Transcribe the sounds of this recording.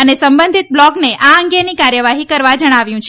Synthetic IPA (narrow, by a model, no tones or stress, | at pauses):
ənesəmbənd̪ʱit̪̚blɔɡneʔaəŋɡenikaɾjəʋaɦikəɾʋad͡ʒəɽ̃aʋjũt͡ʃʰ